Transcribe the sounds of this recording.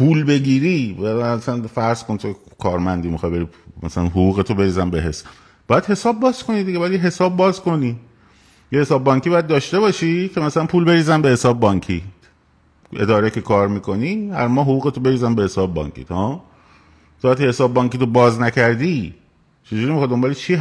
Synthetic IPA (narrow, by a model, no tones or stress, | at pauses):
pʰuːlbe̞ɟiːɾiːææsænfæɾz̥konit̪ʰokʰɒːɾmænd̪iːmixɒjbe̞ɾimæ̰sælænɦoɣuːɣet̪ʰobe̞ɾiːzænbeɦes | b̥ɒːjæd̪he̞sɒːb̚ːɒːz̥ko̞nid̪iɟeɒjæd̪jeɦesɒːbːɒːzko̞ni | jehesɒːbːɒːŋkʰibɒːjæd̪̚d̪ɒːʃt̪e̞βɒːʃikʰe̞mæsælænpʰuːlbe̞ɾiːzænbe̞he̞sɒːbːbɒːŋcʰi | ʔe̞̰d̪ɒːɾecʰekʰɒːɾmiːkʰo̞niːhæ̰ɾmɒːɦoɣuːɣet̪ʰobe̞ɾiːzænbehe̞sɒːbbɒ̰ːŋcʰḭːt̪hɒ | sʰoæt̪ʰihesɒːbːɒːŋkiːt̪ʰobɒːznæcʰæɾd̪i | t͡ʃʰed͡ʒuɾiemixɑd̪d̪ombɒːlet͡ʃʰi